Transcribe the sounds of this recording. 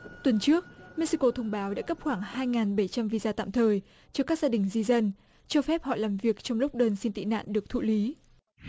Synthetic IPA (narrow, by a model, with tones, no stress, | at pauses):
t̪wə˨˩nt͡ɕɨ˦˥ək̚mɛ˦˥t̚si˧ko˧t̪ʰə˧wŋ͡mɓaː˨˦wɗa̰ː˧˥kə˦˥p̚xwaː˧˩ŋhaː˧jŋaː˨˩nɓə˧˩jt͡ɕa˧mvi˧zaː˧t̪a̰ː˧˨mt̪ʰəː˨˩j | t͡ɕɔ˧kaː˦˥k̚z̥aː˧ɗï˨˩ŋ̟zi˧zə˧n | t͡ɕɔ˧fɛ˦˥p̚hɔ̰˧˨laː˨˩mvi˨˩ək̚t͡ɕɔ˧wŋ͡mlʊ˦˥k͡p̚ɗəː˧nsi˧nt̪ḭ˧˨na̰ː˧˨nɗɨ˨˩ək̚t̪ʰṵ˧˨li˨˦